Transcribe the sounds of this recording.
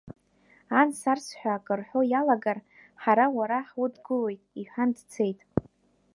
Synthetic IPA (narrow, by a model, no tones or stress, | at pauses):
ansarsħʷᶣaːkʼɨrħʷᶣo̞jalaɡar | ħaɾawaɾaħwʊdɡɨlo̞jtʼiħʷᶣandt͡sʰe̞jtʼ